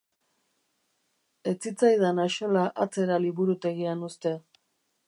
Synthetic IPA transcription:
e̞t͡sit͡sajðanaʃo̞laʔat͡se̞ɾaliβuɾut̪e̞ɣianust̪e̞

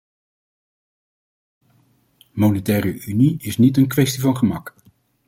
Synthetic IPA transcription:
monɛtɛːrəʔyniɪsnitənkʋɛstivɑnχəmɑk

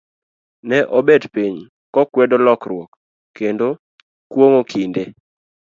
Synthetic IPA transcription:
nɛʔɔbedpiɲ | kɔkwɛdɔlɔkrwɔkː | endo | kwoŋokʰinde

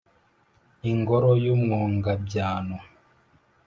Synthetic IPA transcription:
iŋɡɔɾɔjumwɔŋɡabjaːnɔ

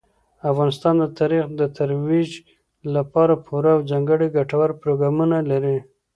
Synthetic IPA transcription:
afɣɑnɪst̪ɑnd̪ət̪ɑɾixd̪ət̪ʰaɾwid͡ʒ | lapɑɾapʰuɾaːwd͡zaŋɡəɽiɡaʈawaɾpɾoɡɾɑmunalaɾi

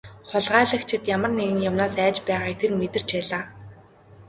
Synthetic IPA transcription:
χʊɮʁaːɮə̆xt͡ɕʰɪ̆t̪jamə̆rneɣɘ̆ŋjawnaːsæːt͡ɕpæːʁaːkt̪ʰermet̪ɘ̆r̥t͡ɕpæːɮaː

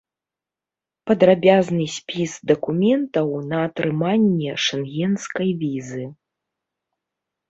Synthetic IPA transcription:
pɐd̪ɾabʲaznɨsʲpʲisd̪ɐkumʲɛnt̪ɐwnɐːt̪ɾɨmanʲːɛʂɛnɣʲɛnskɐjvʲizɨ

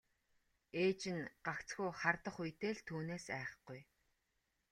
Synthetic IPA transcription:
eːt͡ɕɪ̆nɢakt͡sɡujχart̪ə̆χujt̪eːɮt̪ʰuːneːsæːχə̆χɡ̥uj

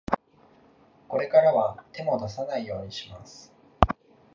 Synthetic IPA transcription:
ko̞ɾe̞kaɾaβat̪e̞mo̞d̪as̬anaijo̞ːɲ̟iɕimasɨ̥

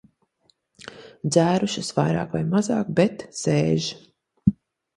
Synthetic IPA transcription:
d̪zæːɾuʃɐsvajɾɑ̰ːkvajmazɑːkbɛt̪seːʒi

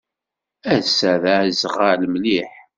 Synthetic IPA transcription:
æsæðæʕzʁəlmliħ

